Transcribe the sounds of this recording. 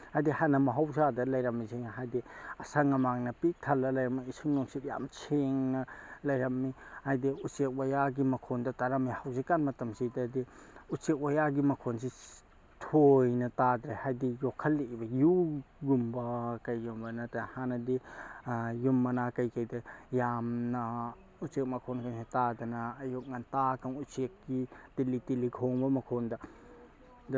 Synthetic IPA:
hajdihanɐmɐɦawzadɐlɐjɾɐmːizeŋɦajdiɐsɐŋɐmaŋnɐpitʰɐlːɐlɐjɾɐmiisuŋnɔŋsitja̰mt͡ʃʰeŋnɐlɐjɾɐmːihajdiusek̚wajaɡimɐkʰondɐtaɾamːihawsikanmɐtɐmsidɐdiusek̚wojaɡimɐkʰonsi | tʰojnɐtad̪ɾehajdijokʰːɐlːebɐjuɡumbɐkɐjːumbɐnɐtahanɐdi | jumːɐnakɐjkɐjdɐjamnɐ | usek̚mɐkʰonkaŋsatadɐnɐːjok̚ŋantakʰɐŋusek̚ɡitilitiliɡʰʱoŋbɐmɐkʰondɐ | dɐ

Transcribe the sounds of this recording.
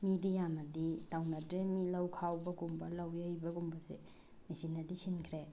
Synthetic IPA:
midijamɐditawnadɾemilawkʰawbɐɡumbɐlawjejbɐɡumbɐzḛ | misinɐdisinkʰɾe

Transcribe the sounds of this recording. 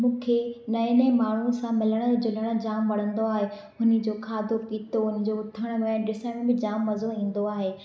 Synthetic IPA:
mũːkʰenɐɪnəmaːɳ̤usãmɪləɽ̃ə̆d͡ʑʊləɽ̃ə̆d͡ʑaːmʋɐɽ̤ə̃nd̪oaːɦe | ʊnə̆d͡ʑoːkʰaːd̪ʱokiːt̪oɦʊnɪ̆d͡ʑoːʊt̪ʰəɽ̃̆mɛ̃ɖɪsəɽ̃bɪd͡ʑaːmːɐzoɦĩːn̆d̪oaːɦeː

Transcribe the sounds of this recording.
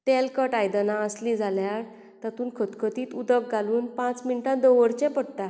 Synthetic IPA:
t̪ɛlkəʈajd̪ənãəslĩd͡zʱaljaɾ | t̪at̪uːnkʰət̪kʰət̪iːt̪ud̪ək̚ɡaluːnpãt͡sminʈãd̪oʋəɽt͡ɕɛ̃pəɽt̪a

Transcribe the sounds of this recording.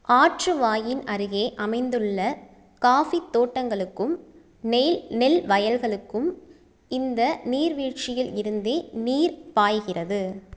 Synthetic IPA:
aːʈrɯʋaːjɪnɐɾɯɣeːʔɐmɐɪnd̪ɯɭːɐ | kaːfit̪ːoːʈːɐŋɡɐɭɯkːɯm | nɛnɛlʋɐjɐlɣɐɭɯkːɯm | ɪnd̪ɐniːɾʋiːt͡ʃɪjɪlɪɾɯnd̪eːniːɾpaːjɣɪrɐðɯ

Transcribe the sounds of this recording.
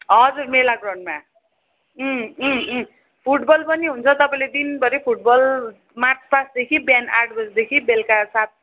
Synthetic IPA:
ɦʌd͡zurmelaɡrʌɳɖma | pʰuʈbʌlpʌniɦunt͡sʰʌt̪ʌpãĩled̪inbʌɾipʰuʈ̚bʌl | maʈʰpasd̪ekʰibjanarʈbʌsd̪ekʰibelkasat̪̚

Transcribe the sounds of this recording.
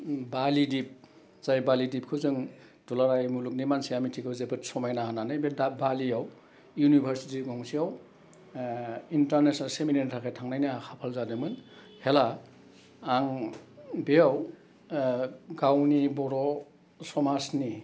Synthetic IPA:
balidip̚ | z̥ajbalidip̚kʰɯzɯŋdulaɾajmuluk̚nimansijamitʰikʰɯwzebɯt̚sɔmajnaɦananɯjbedabaliaw | junibʱaɾsitiɡɔŋsijaw | intaɾnesnalseminentʰakʰajtʰaŋnajnaakʰapʰalzadɯmɯn | helaː | ŋ | beaw | ɡawnibɔɾɔ | sɔmasni

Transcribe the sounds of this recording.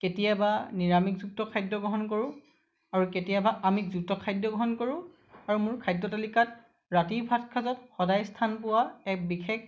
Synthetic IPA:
ketijabaniɹamikzuk̚tɔkʰajdɔɡɔɦɔnkoɹʊ̃ | aɹuketijabaʔamikzuk̚tɔkʰajdːɔɡɔɦɔnkoɹʊ̃ | aɹumʊɹkʰajdːɔtalikat̚ | ɹatiɹbʱatkʰazɔtxɔdajstʰanpʊwaɛk̚bixʰek

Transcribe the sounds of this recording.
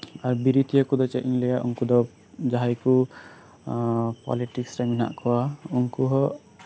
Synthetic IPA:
aɾbiɾit̪ʰijɔkud̪ɔt͡ʃɛʔiŋlɛjaʔuŋkud̪ɔ | d͡ʒaɦajku | pɔ̰liʈiksɾɛmina̰ʔkɔwauŋkuɦɔ

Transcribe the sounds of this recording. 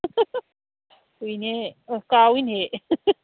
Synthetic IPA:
ujnekawinɦe

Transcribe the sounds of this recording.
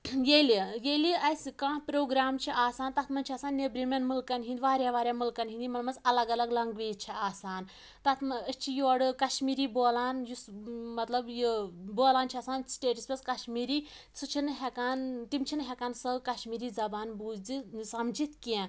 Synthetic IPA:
jelijeliɐskãːpɾoːɡɾaːmt͡ʃʰiʔaːsaːnt̪ɐt̪ʰmɐnt͡ʃʰiɐːsaːnːebɾimʲenmulkɐnɦind̪iʋaːɾʲaːʋaːɾjaːmulkɐnɦĩnd̪imɐlmɐt͡sɐlɐɡɐlɐɡlɐŋɡʋiːt͡ʃʰiaːsaːn | t̪ɐt̪ʰmɐəst͡ʃʰijoɽɨkɐʃmiːɾiːboːlaːnjusmɐt̪lɐbjiboːlaːnt͡ʃʰiɐːsaːnsʈeːʈispʲeskɐʃmiːɾiː | sut͡ʃʰinɨɦɛkaːnt̪imt͡ʃʰinɦɛkaːnsɐkɐʃmiːɾiːzɐbaːnbuːzd̪isɐmd͡ʒit̪ʰkẽ

